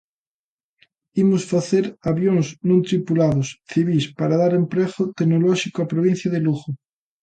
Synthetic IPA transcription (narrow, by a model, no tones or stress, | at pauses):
imosfaθeɾaβjoŋsnõnt̪ɾipulaðosθiβ̞ispaɾaðaɾempɾeɣot̪eɡnolɔʃikoapɾoβ̞ĩn̟θjaðeluɣo